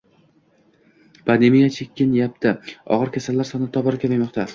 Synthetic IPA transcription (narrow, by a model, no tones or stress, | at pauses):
pʰand̪emijat͡ʃʰekʲʰːɪnjap̚t̪ʰɪɒ̰ʁɨɾkʲʰasalːaɾsɒnɪt̪ʰɒbɒɾakʲʰapajmɒqt̪ʰa